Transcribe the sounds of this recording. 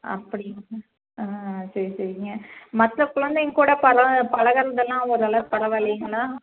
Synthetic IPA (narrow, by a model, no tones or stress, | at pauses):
ɐ̰pːɐɽɪnɐ | aːsɐɾisɐɾɪŋɡɐmɐt̪lɐkʊɭɐnd̪eŋkuːɽɐpɐɾɐpɐlɐɣɐɾɐd̪ɛlːãːɔɾɯɐlɐpɐɾɐʋɐlɐjɯŋɡɐɭaː